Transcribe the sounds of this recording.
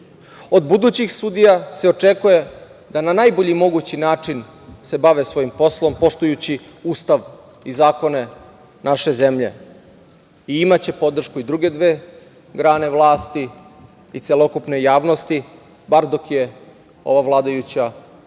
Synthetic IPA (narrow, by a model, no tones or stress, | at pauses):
o̞d̪bud̪uːt͡ɕixsud̪ijase̞ot͡ʂe̞kuje̞ | d̪ananajboʎimo̞ɡut͡ɕinaːt͡ʂin | se̞baʋesʋo̞jimpo̞slˠo̞mpo̞ʂt̪ujut͡ɕiuːst̪aʋ | izaːko̞ne̞ | naʃe̞zemʎe̞̰ | iimat͡ɕe̞po̞d̪r̩ʃkuid̪ɾuɡe̞d̪ʋeː | ɡɾaːne̞ʋlˠaːst̪i | it̪selˠo̞kupnejaːʋno̞st̪i | baɾd̪o̞kje̞ | o̞̰ʋaʋlˠaːd̪ajut͡ɕa